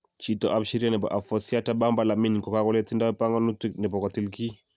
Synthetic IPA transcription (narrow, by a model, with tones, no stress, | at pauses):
t͡ʃi˦tɔ˨ʔa˦pʃi˦ɾi˦a˦nɛ˨bɔ̰˨ʔa˨fɔ˨si˦a˦ta˦ba˦mba˨la˨mi˦nkɔ˨ka˦kɔ˦lɛ˦t̪i˦nda˦wɛ˦pa˦ŋɡɔ˦nu˦ti˦knɛ˨pɔ˨kɔ˨ti˦lki˦